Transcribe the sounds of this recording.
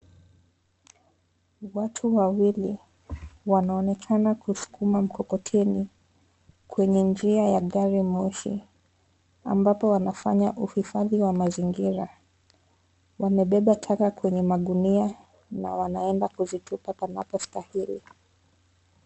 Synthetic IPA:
watʰuwawili | wanaɔnɛkʰanakusu̥kʰumam̩kɔkɔtʰɛni | kʰwɛɲɛnd͡ʒiajaɠaɾimɔʃḭ | a̰mbapɔwanafaɲaʔuhifaðiwamaziŋɡiɾa | wamɛɓɛɓatʰakakwɛɲɛmaɗunia | na̰wanaɛndakuzitupapana̰pɔstahilḭ

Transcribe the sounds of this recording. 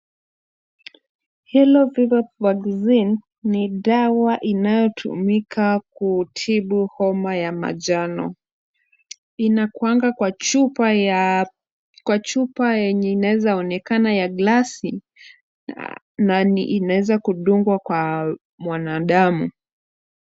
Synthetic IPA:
hilɔvivapvaɡzinː | iɗawaʔinajɔtʰṵmikʰakutʰiɓuhɔmajama̰ʄanɔ | inakuaŋɡawau | kwat͡ʃupajɛɲɛinawɛzaɔnɛkanajaɡlasi | naniʔːnawɛzakuɗuŋɡwakwa | mwanaɗamu

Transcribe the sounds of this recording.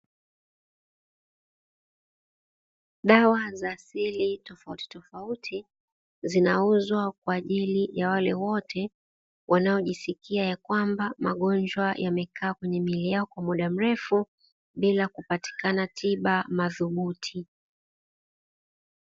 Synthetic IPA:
ɗawazaːsilitɔfauti̥tɔfautʰi | zinauzwak̚waːʄilijawalɛwɔtʰɛ | wʔanaɔʄisikiajakwambama̰ɠɔnd͡ʒwajʔamɛkʰaːkwɛɲɛmilijaɔkwamuɗam̩ɾɛfu | ɓilakupati̥kanatʰiɓamaðuɓutʰi

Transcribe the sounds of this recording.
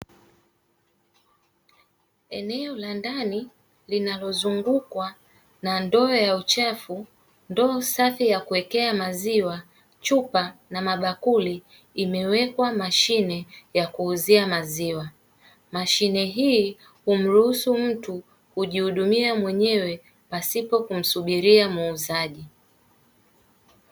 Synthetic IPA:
ɛnɛɔlandani | linalɔzuŋɡukwa | nandɔːjaut͡ʃafu | ndɔːsafijakuwɛkɛamaziwa | t͡ʃupanamaɓakuliː | mɛwɛkwamaʃinɛjakuːziamaziwa | maʃinɛɦiː | hum̩ɾuhusum̩tu | huʄihuɗumiamwɛɲɛwɛ | pasipɔkum̩suɓiɾiamuːzaʄi

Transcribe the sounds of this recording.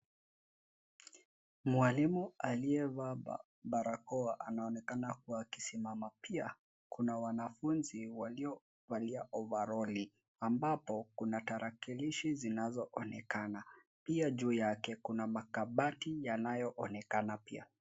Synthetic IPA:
mwalimualiɛva | baɾakɔaʔanaɔnɛkanakuwaːkisimamapia | kunawanafunziwaliɔ | valiaʔɔvaɾɔli | ambapɔkunataɾakiliʃizinazɔʔɔnɛkana | piaʄuːjakɛkunamakaɓatijanajɔʔɔnɛkanapia̰

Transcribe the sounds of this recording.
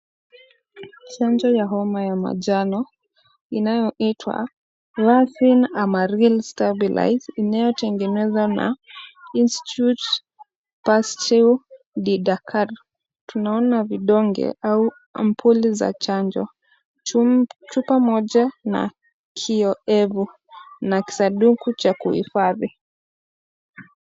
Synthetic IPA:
t͡ʃaɲd͡ʒɔjaɦɔmajama̰ʄanɔ | inajɔʔitʰwa̰ | lasinamaɾilstabila̰jzinajɔtɛŋɡɛnɛzana̰insti̥tut | pastil | ɗiɗakʰaɾ | tunaɔnaviɗɔŋɡɛ̰ʔau | m̩pʰuliza̰t͡ʃaɲd͡ʒɔ | t͡ʃupamɔʄana̰ | kʰiɔɛvu | naki̥saɗukut͡ʃakuhḭfaði

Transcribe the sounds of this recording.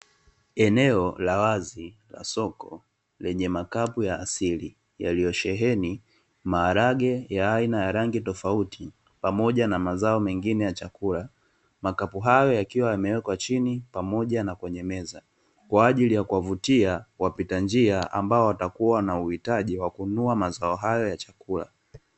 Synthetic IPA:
ɛnɛɔlawazila̰sɔkɔ | lɛɲɛmakapujaːsili | jalijɔʃɛɦɛni | maːɾaɠɛjaainajaɾaŋɡitɔfautʰi | pamɔʄanamazaɔmɛŋɡinɛjat͡ʃakula | makapuɦajɔjakiwajamɛwɛkwat͡ʃinipamɔʄanakwɛɲɛmɛza | kwaːʄilijakuwavutiawapitand͡ʒiaʔa̰mbaɔwatakuwanauhitaʄiwakunuamazaɔɦajɔjat͡ʃḁkula̰

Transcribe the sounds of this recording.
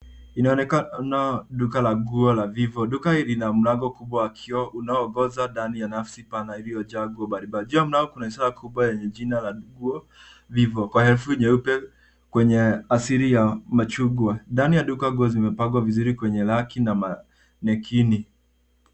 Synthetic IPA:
inaɔnɛkanaɗukalaɡuɔlavivɔɗukaiɾinam̩laɡɔkuɓwawakʰiɔʔunaɔːɡɔzandanijanafsipanailijɔd͡ʒaɡɔbaɾibad͡ʒiam̩laɡɔkunaisɔɾakuɓwajɛɲɛd͡ʒinalaɡuɔ | vivɔkwahɛlfuiɲɛupɛ | kwɛɲɛasiɾijamat͡ʃuɡwandanijaɗukaɡuɔzimɛpaɡwavizuɾikwɛɲɛlakinama | nɛkʰini

